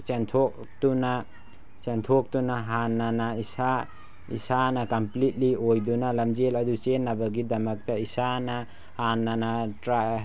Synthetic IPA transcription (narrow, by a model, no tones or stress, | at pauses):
t͡ʃentʰɔk̚ | tuna | t͡ʃentʰɔk̚tunaɦanːanaisa | ḭsanɐkɐmplit̚liojdunalɐmd͡ʒelɐdut͡ʃenːabɐɡidɐmɐk̚taisana | hanːanatɾa